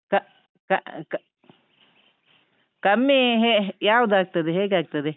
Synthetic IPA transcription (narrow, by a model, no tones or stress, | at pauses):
ka | kak | kamːiɦejawd̪ak̚t̪ad̪eɦek̬ak̚t̪ad̪e